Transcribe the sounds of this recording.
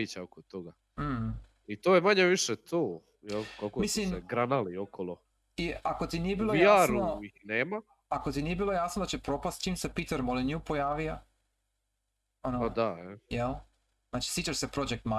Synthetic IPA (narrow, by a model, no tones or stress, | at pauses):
it͡ɕaokot̪oɡa | m̩ | it̪oːjemaɲeʋiʃet̪ʰoː | jɛlˠkakomislimeɡɾanaliokʰolˠo | iako̞t̪inije̞biːlojjaɾnoineːma | ako̞t̪inije̞biːlˠo̞jaːsnod̪at͡ɕe̞pɾo̞past̪̚t͡ʃiːmse̞pit̪eɾmolenjupo̞jaːʋija | onoad̪aɛjɛl | znaːt͡ʃi̥sit͡ɕaʃsepɾo̞d͡ʒek̚t̪ma